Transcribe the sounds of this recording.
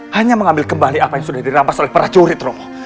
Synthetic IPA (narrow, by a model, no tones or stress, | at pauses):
haɲaməŋambɪlkəmbaliapajaŋsudahdiɾampasolɛhpəɾat͡ʃoɾɪt̪romo